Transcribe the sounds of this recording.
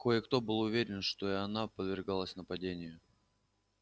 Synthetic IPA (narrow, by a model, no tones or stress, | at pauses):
kojəkt̪o̞bɨlˠʊvʲeɾʲɪnʂt̪o̞iɐnapəd̪vʲɪrɡalˠəsʲnəpɐdʲenʲɪjʊ